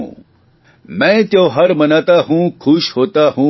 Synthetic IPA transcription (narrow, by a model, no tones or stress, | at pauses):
ṵ̃ː | mɛ̃t̪jõɦɐɾmɐnat̪aɦũːkʰʊʃɦoːt̪aɦũ